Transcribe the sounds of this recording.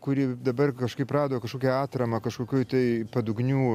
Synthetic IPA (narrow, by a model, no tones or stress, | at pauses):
kʊɾʲiɛd̪ɐbɐrkɐʃkɐɪprɑːd̪oːkɐʃkoːkʲɛɑːt̪ɾɐmɐkɐʃkoːkʲuːt̪ɐɪpɐd̪ʊɡnʲuː